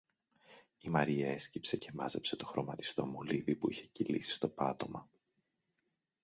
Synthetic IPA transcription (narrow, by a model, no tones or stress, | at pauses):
imɐɾiɐe̞scipse̞ce̞mɐze̞pse̞t̪o̞̥xɾo̞mɐt̪i̥st̪o̞muliðipuiçe̞cilisi̥st̪o̞pɐt̪o̞mɐ